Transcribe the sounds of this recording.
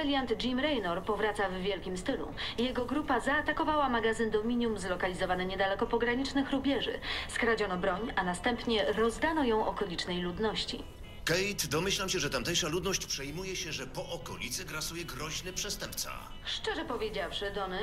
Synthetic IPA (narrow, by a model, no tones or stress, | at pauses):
ɛlʲjand̪d͡ʑimɾɛjnɔɾpɔvɾat̪savːʲjɛlkʲimst̪ɘlṵjɛɡɔɡɾupazaːt̪akɔvawamaɡazɘnd̪ɔmʲiɲjumzlɔkalʲizɔvanɘɲɛd̪alɛkɔpɔɡɾaɲit͡ʂnɘxɾubʲjɛʐɘ̰skɾad͡ʑɔnɔbɾɔɲanast̪ɛmpɲɛɾɔzd̪anɔjɔ̃w̃ʔɔkɔlʲit͡ʂnɛjlud̪nɔɕt͡ɕḭ | kɛjt̪d̪ɔmɘɕlamɕɛʐɛt̪amt̪ɛjʂalud̪nɔɕt͡ɕpʂɛjmujɛɕɛʐɛpɔʔɔkɔlʲit̪sɛɡɾasujɛɡɾɔʑnɛpʂɛst̪ɛmp̚t̪sa̰ | ʂt͡ʂɛʐɛpɔvʲjed͡ʑafʂɘd̪ɔnɘ